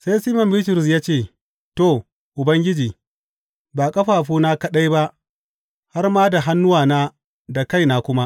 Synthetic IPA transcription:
sa˦jsiː˦mɐ˨mbɪ˦t̬ʊ˨ɾʊ˨s̬jaː˦t͡ʃeː˦˨ | to˦˨ | ʔʊ˨bɐ˦ŋɡʲɪ˦d͡ʒiː˨ | baː˨kʼɐ˦ɸaː˨ɸuː˦naː˦kɐ˦ɗa˦jba˦ʔ | ha˦rmaː˦da˨ɦa˦nːʊ˦waː˨naː˦ | da˨ka˦jnaː˨kʷʊ˦ma˦ʔ

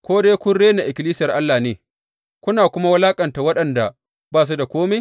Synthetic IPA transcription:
kʷoː˦deː˦kʷʊ˦nɽeː˦na˨ʔɪ˨kʲɪ˨liː˦sɪ˦jɐ˨rʔa˦lːaː˨neː˨ | kʷʊ˦naː˨kʷʊ˦ma˦wɐ˦laː˦kʼɐ˨nta˨wɐ˦ɗɐ˨nda˨ | baː˦˨s̬u˦da˨kʷoː˦me˦

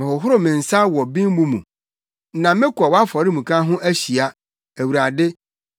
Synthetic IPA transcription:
ɪ̃˨ʊ˨ɦʊ˦ɾʊ˦˨mɪ̃˨n̩˨sa˦wɔ˨bĩ˦m˦bũ˦mṵ̃˨˦ | nã˨mɪ̃˦kʷʰɔ˨wa˦fɔ˨ɾɪ˦mũ˨kʰã˦ɦʊ̃˦ʔæ˦ɕi˨a˨ | æ˨wu˨ɾa˨dɪ˦

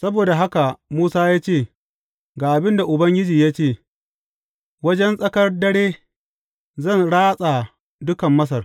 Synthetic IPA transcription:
sɐ˦boː˨da˨ɦa˦ka˨muː˦saː˦jaː˦t͡ʃeː˦˨ | ɡaː˨ʔa˨bɪ˦nda˨ʔʊ˨bɐ˦ŋɡʲɪ˦d͡ʒiː˨jaː˦t͡ʃeː˦˨ | wɐ˦d͡ʒɛ˦nsʼɐ˦kɐ˦rdɐ˦ɽeː˦ | zɐ˦˨nɽaː˦sʼa˨ | dʊ˦kɐ˨mːɐ˦s̬ɐ˨r

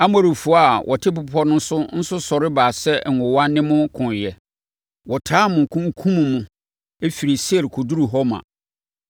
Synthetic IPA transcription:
a˦m˦ɔ˨ɾu˨fʊ˨˦˨a˨wʔɔ̰˨tʰɪ˦p̬ʊ˨pʰɔ˦nʊ̃˦n˦sʊ˦n̩˦sʊ˦sɔ˨ɾɪ˦baː˨sɛ˦˨ŋ̩˨ʊ̃˨wa˦nɪ̃˦mʊ̃˦kʰʊ̃˨n˨jɛ˨ | wɔ˨tʰaː˦mʊ̃˨ŋ˨kʰũ˦ŋ˦kʰũ˦m̃˨mʊ̃˨ | e˦fi˨ɾi˨sɛ˦ɾkʰo˨du˦ɾu˨ɦɔ˦mã̰˨

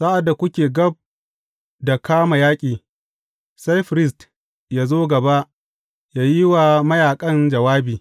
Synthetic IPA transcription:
saː˦ʔa˨dːa˨kʷʊ˦kʲeː˨ɡɐ˦b̚ | da˨kʰaː˦ma˨jaː˦kʲʼiː˨ | sa˦jɸɪ˨ɾɪ˦s̬t | jaː˦zoː˦ɡɐ˨ba˦ʔ | jaː˨ji˦wa˨mɐ˦jaː˨kʼɐ˦nd͡ʒɐ˨waː˦biː˨

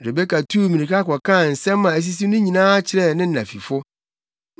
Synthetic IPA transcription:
ɾe˨be˦kʰa˨tʰu˦˨mĩ˨ĩ˨kʰa˦kɔ˨kʰã˦˨n̩˨sɛ̃˦mː˦ã˨æ˨s̬i˦s̬i˦nʊ̃˦ɲĩ˨nãː˦a˦t͡ɕʰɪ˨ɾɛ˦˨nɪ̃˦n̩˦˨nã̰˨fḭ˨fʊ˦

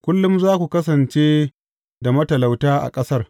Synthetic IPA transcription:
kʷʊ˦lːʊ˦mzaː˦kʷu˨kɐ˦s̬ɐ˨nt͡ʃeː˦ | da˨mɐ˦tɐ˨la˨wtaː˦ʔa̰˨kʼɐ˦sɐ˦r

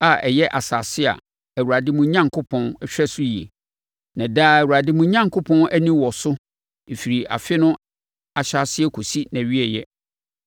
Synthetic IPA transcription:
a˨ʔɛ˨jɛ˦ʔa˨saː˨sɪ˦a̰˨ | æ˨wu˨ɾa˨dɪ˦mũ˦ɲã˦ŋkʰʊ˦pʰɔ̃˦nɛ˦ɕᶣɾɛ˦sʊ˦ji˨ḛ˨ | nã˨daː˦æ˨wu˨ɾa˨dɪ˦mũ˦ɲã˦ŋkʰʊ˦pʰɔ̃˦næ˦nĩ˦wɔ˨sʊ˦ | e˨fi˨ɾi˨a̰˨fɪ˦nʊ̃˦ | a˨ɕa˦sɪ˦ɛ˦kʰo˨si˦næ̃˨ɥi˦ɛ˨jɛ˦

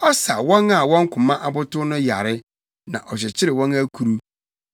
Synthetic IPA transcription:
ɔ˦sa˨wɔ̃˦ŋa˨wɔ̃˦ŋ˦kʰʊ̃˨mã˦ʔa˦bʊ˦tʊ˦nʊ̃˦ja̰˨ɾɪ˦ | nã̰˨ʔɔ˨ɕ̬ɛ˨t͡ɕʰɪ˦ɾɪ˨wɔ̃˦næ˦kʰu˨ɾu˦

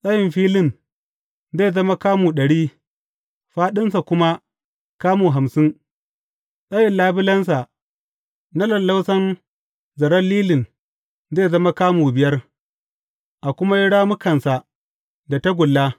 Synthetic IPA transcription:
sʼɐ˦jɪ˨mɸiː˦lɪ˨n | zeː˦˨zɐ˦ma˦kaː˦muː˨ɗɐ˨ɽiː˦ | ɸaː˦ɗɪ˦nsa˨kʷʊ˦ma˦ | kaː˦muː˨ɦa˨msɪ˦n | sʼɐ˦jɪ˨nlaː˦bɪ˦lɐ˦ns̬a˨ | na˦lɐ˨lːa˦wsɐ˦n | zɐ˨ɾɐ˦lliː˦lɪ˨n | zeː˦˨zɐ˦ma˦kaː˦muː˨bɪ˨jɐ˦r | ʔa˨kʷʊ˦ma˦jɪ˦ɽaː˦mʊ˦kɐ˨nsa˨ | da˨ta˦ɡʷʊ˨lːa˦

